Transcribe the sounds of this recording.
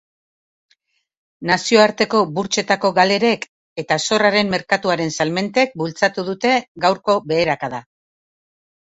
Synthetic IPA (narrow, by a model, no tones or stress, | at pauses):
nasio̞aɾt̪e̞ko̞buɾt͡ʃe̞t̪ako̞ɡale̞ɾe̞k | e̞t̪aso̞raɾe̞mːe̞ɾkat̪uaɾe̞nsalme̞nt̪e̞k̚bult͡sat̪uðut̪e̞ɡawɾko̞be̞ːɾakaða